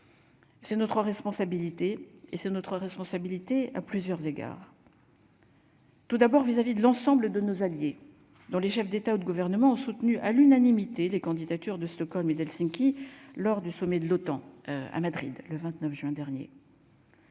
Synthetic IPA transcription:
sɛnɔt̪χəʁɛspɔ̃sabilit̪eesɛnɔt̪χəʁɛspɔ̃sabilit̪ea̰plyzjœʁzeɡa̰ːʁ | t̪ud̪abɔʁvizavid̪əlɑ̃sɑ̃bləd̪ənozalje | d̪ɔ̃leʃɛfd̪et̪aud̪əɡuvɛʁnəmɑ̃ɔ̃sut̪nyʔalynanimit̪elekɑ̃d̪id̪at̪yʁd̪əst̪ɔkɔlmed̪ɛlsĩŋkʲilɔʁd̪ysɔmɛd̪əlot̪ɑ̃a̰mad̪ʁḭd̪ləvɛ̃t̪nœfʒɥɛ̃d̪ɛʁnjḛ

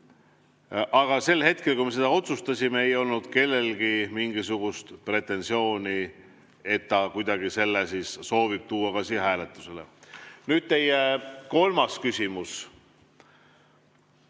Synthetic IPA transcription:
ʔɑɡ̥ɑse̞lːhe̞t̪̚ke̞lkujme̞s̬e̞d̪ɑo̞t̪sust̪ɑsʲimeejo̞lnud̪̥ke̞lːe̞lɡ̥imiŋɡ̥isuɡ̥ust̪pre̞t̪ːˑe̞nsio̞ːnʲi | e̞t̪ːɑkujd̪̥ɑɡise̞lːesisːo̞ːvib̥̚t̪uːɑkɑsiːhæːlet̪ːˑu̥se̞lḛnyːd̪̥̚t̪e̞jeko̞lmɑskysʲimus

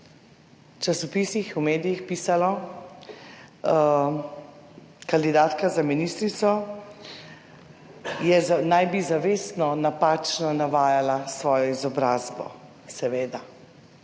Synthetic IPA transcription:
t͡ʃasɔpiːsixumeːd̪ijixpiːsalɔ | kand̪id̪aːt̪kazaminist̪ɾit̪sɔ | jɛznajbizaʋeːsnɔnapaːt͡ʃnɔnaʋaːjalasʋɔːjɔizɔbɾaːzbɔ̰ | sɛʋeːd̪a

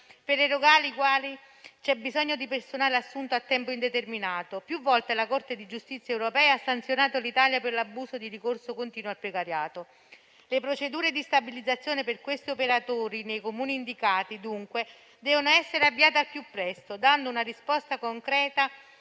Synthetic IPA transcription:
perleɾoɡaːlikwaːli | t͡ʃɛbːizɔɲːod̪ipersonaːleasːunt̪oat̪ːɛmpoind̪et̪erminaːt̪opjuvːɔlt̪elakort̪ed̪id͡ʒust̪it̪sːjaɛwɾopɛːaasːant̪sjonaːt̪olit̪aːljaperlabːuːsod̪iɾikorsokont̪iːnwoalpɾekaɾjaːt̪o | lepɾot͡ʃed̪uːɾed̪ist̪abilid̪zat̪sːjoːneperkwest̪iopeɾat̪oːɾinejkomuːniːnd̪ikaːt̪id̪uŋkwe | d̪ɛːvonoɛsːeɾeavːiaːt̪ealpjupːɾɛst̪od̪and̪ounarispɔst̪akoŋkɾɛːt̪a

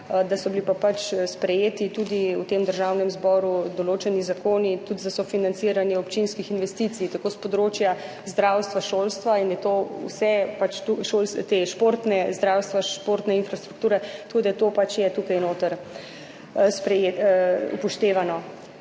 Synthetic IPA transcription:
d̪asɔbilipapat͡ʃspɾɛjeːt̪it̪uːd̪iut̪emd̪əɾʒawnɛmzbɔɾud̪ɔloːt͡ʃɛnizakoːnit̪ut̪zasɔfinansiːɾanjɛɔpt͡ʃinskixinʋɛst̪it̪sijt̪akoːspɔd̪ɾoːt͡ʃja | zd̪ɾawst̪ʋaʃolst̪ʋainjɛt̪oṵsɛpat͡ʃt̪uʃoːlst̪eʃpoːɾt̪nɛzd̪ɾawst̪ʋaʃpoːɾt̪nɛinfɾast̪ɾuk̚t̪uːɾɛt̪ɐkoːd̪ajɛt̪oːpat͡ʃjɛt̪ukajnoːt̪əɾ | spɾɛjeṵpɔʃt̪eːʋanɔ

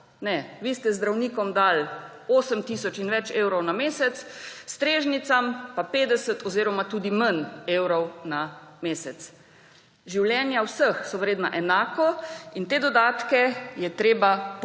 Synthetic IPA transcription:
nɛʋiːst̪ɛzd̪ɾawniːkɔmd̪al | oːsəmt̪isɔt͡ʃinʋɛt͡ʃeːwɾɔwnameːsɛt̪sst̪ɾeːʒnit̪sampapeːd̪ɛsət̪ɔziːɾɔmat̪uːd̪iməneːwɾɔwnameːsɛt̪s | ʒiwljɛːnjawsəxsɔʋəɾjeːd̪na̰ʔɛnaːkɔint̪eːd̪ɔd̪aːt̪kɛjɛt̪ɾeːbap

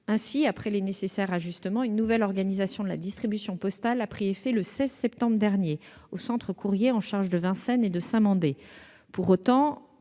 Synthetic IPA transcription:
ɛ̃siapχɛlenesesɛʁaʒyst̪əmɑ̃ynːuvɛlɔʁɡanizasjɔ̃d̪əla̰d̪ist̪χibysjɔ̃pɔst̪alapχiefɛləsɛzsɛp̚t̪ɑ̃bʁd̪ɛʁnje | osɑ̃t̪χəkʰuʁjeɑ̃ʃaʁʒd̪əvɛ̃sɛned̪əsɛ̃mɑ̃d̪e | puʁot̪ɑ̃

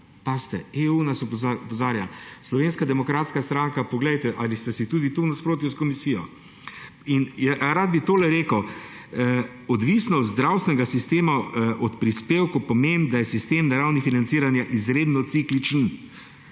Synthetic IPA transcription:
past̪ɛeːunasɔpzaɔpɔzaːɾjaslɔʋeːnskad̪ɛmɔkɾaːt̪skast̪ɾaŋkapɔɡlɛjt̪ɛʔalist̪ɛsit̪ud̪it̪unaspɾoːt̪̬juskɔmisijɔ | injɛɾad̪̚bit̪oːlɛɾeːkəw | ɔd̪ʋisnɔɔd̪zd̪ɾawst̪ʲɛnɛɡasist̪eːmaʔɔt̪pɾispeːwkupɔmend̪ajɛsist̪eːmnaɾawnifinant̪siːɾanjaʔizɾeːd̪nɔt̪siklit͡ʃn

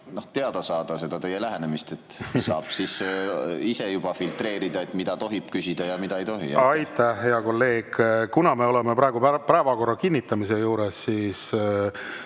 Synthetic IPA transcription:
no̞ht̪e̞ɑd̪ɑsɑːd̪̥ɑse̞d̪̥ɑt̪e̞jelæɦenemist̪et̪ːsɑ̰ːb̥sis | isejub̥ɑfilt̪re̞ːɾid̪ɑet̪mid̪̥ɑt̪o̞ɦib̥kysʲid̪̥ɑjɑmid̪ɑejt̪o̞ɦḭɑjt̪ːˑæhɦe̞ɑko̞lːe̞ːɡ̥kunɑme̞o̞lemepɾɑeɡ̥upæpæːevɑko̞rːɑkinːit̪ːˑɑmis̬e̞juːɾesːiːs

